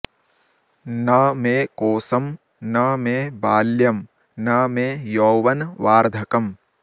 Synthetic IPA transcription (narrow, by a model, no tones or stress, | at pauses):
nɐmeːkoːsɐm | nɐmeːbaːljɐm | nɐmeːjoːʋɐnʋaːɾd̪ʱɐkɐm